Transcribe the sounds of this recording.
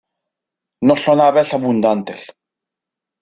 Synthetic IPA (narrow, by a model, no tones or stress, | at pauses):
noɬonaβeɬaβund̪ant̪el